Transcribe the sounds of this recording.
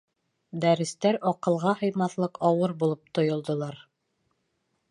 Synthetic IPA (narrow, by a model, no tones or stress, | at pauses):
d̪æɾɘ̆st̪æɾɒqɤ̆lˠʁɑhɤ̆jmɑθlˠɤqʰɒwɤɾbulˠɤp̚t̪ŏjŏlˠd̪ŏlˠɑɾ